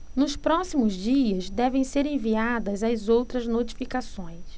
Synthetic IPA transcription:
nʊspɾɔsimʊzd͡ʒiɐzd̪ɛvẽj̃seɾẽviad̪ɐzɐzowt̪ɾɐznot͡ʃi̥fikasõj̃s

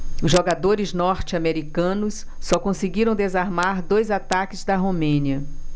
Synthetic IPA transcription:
ʊzʒoɡad̪oɾɪznɔɾt͡ʃɪameɾikɐ̃nʊsː | ɔkõsɪɡiɾɐ̃w̃d̪ezaɾmaɾd̪ojzat̪akɪzd̪ɐɦomẽniɐ

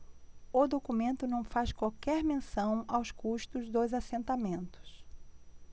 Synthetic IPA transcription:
ʊd̪okumẽnt̪ʊnɐ̃w̃fajskwawkɛɾmẽsɐ̃w̃awskuʃt̪ʊzd̪ojzasẽnt̪amẽnt̪ʊ̥s

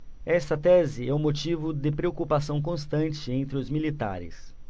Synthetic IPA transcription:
ɛst̪ɐt̪ɛzɪɛʊ̃mot͡ʃivʊd̪ɪpɾeokupasɐ̃w̃k̬õst̪ɐ̃nt͡ʃɪẽnt̪ɾɪʊzmilit̪a̰ɾɪ̰s

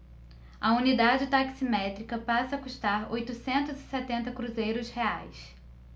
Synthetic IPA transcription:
ɐunid̪ad͡ʒɪt̪aksimɛt̪ɾikɐpasɐːkuʃt̪aɾojt̪usẽnt̪ʊzɪsɛt̪ẽnt̪ɐkɾuzejɾʊshea̰js

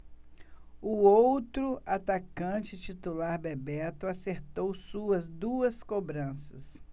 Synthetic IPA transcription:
ʊowt̪ɾʊʔat̪akɐ̃t͡ʃɪt͡ʃit̪ulaɾbebɛɾt̪ʊaseɾt̪owsuɐzd̪uɐskobɾɐ̃sɐs

